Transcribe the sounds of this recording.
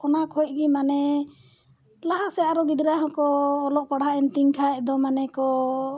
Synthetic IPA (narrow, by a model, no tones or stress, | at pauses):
ɔnakʰɔjt̪̚ˀɡimanɛ | laɦasɛaɾɔɡid̪ɾaɦɔ̃kɔːlɔʔpaɽaʔɛnt̪iŋkʰajʔ̚d̪ɔmanɛkɔ